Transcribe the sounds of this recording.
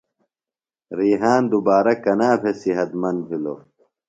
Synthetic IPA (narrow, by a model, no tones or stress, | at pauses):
ɾiːɦaːnd̪ubaːɾɐkɐnaːpʰesiɦɐt̪mɐnd̪̚bʰilo̰